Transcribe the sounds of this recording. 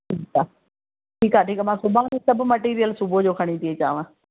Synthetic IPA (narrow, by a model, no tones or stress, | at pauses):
ʈʰikaː | ʈʰiːkaːʈʰiːkmãːsʊbʱanẽsɐbʱmɐʈiːɾijəlsubʱod͡ʑoːkʰɐɽ̃it̪iet͡ɕa̰ːʋãː